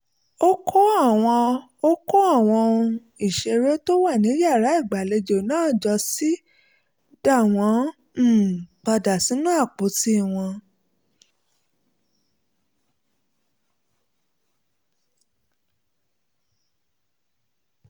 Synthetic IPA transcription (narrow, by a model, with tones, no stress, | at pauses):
o˦kʰɔ˦a˦˨w̃ɔ̃˧ | o˦kɔ˦a˦˨w̃ɔ̃˧ũ˧ | i˨ʃe˧ɾe˦to˦wa˦˨nĩ˨˦ja˦˨ɾa˨˦i˦˨ɡ͡ba˨le˧d͡ʒo˨nãː˦˨d͡ʒɔ˧si˦ | da˦˨w̃ɔ̃˧˦˨ | k͡pa˧da˨si˨˦nũ˦a˦˨k͡po˨˦ti˦˨w̃ɔ̃˧